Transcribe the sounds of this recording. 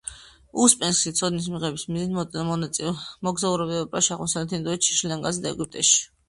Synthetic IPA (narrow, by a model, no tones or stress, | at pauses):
uspʼɛnskʃit̪sʰɔd̪nis̬miʁɛbismizinʼ | mɔɡzauɾɛbiɛpʼɾaʃaʁmɔsalɛt̪ʰind̪ɔɛt̪t͡ʃʰi̥ʃilɛŋɡazd̪aɛɡyp̚t̪ʼɛʃi̥